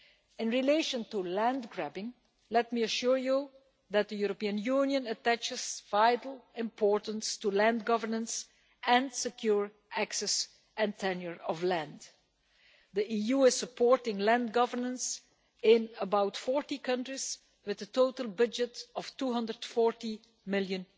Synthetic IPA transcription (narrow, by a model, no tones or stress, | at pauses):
ɪ̃nɹileɪʃə̃ntulæ̃ndɡɹæbɪ̃ŋ | lɛt̚miəʃuɹju | ðæt̪̚ðəjuɹɔpiə̃njunjə̃nətæt͡ʃɪz̥vaɪdl̩ˠɪ̃mpʰɔɹtə̃nstulæ̃ndɡʌvəɹnə̃ns | ʔɛ̃nsɪkʰjuɹ | æksɛs | ʔɨ̃ntʰɛnjəɹɔvlæ̃nd | ðiʔijuɪz̥səpʰɔɹtɪ̃ŋlæ̃ndɡʌvə˞nə̃ns | ɪ̃nəbaʊtfɔɹtikʰʌ̃ntɹiz̥ | wɨðətoʊtəl̩ˠbʌd͡ʒɨtɔftuɦʌ̃ndə˞d̥fɔɹti | mɪlˠjɨ̃n